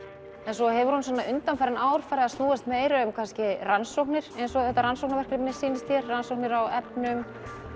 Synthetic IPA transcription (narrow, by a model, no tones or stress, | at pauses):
ɛnsɔhɛvʏɾhuns̬ɔnːaʔʏnt̪anfɛɾɪnaːwɾ̥faɾaðast̪nuːðast̪meːjɾʏːmkʰanscɪransowknɪɾ̥ejnsɔɛht̪aɾansowk̚navɛr̥kɾɪnɪ̥siːnɪst̪jɛɾransowhknɪɾawɛpnʏm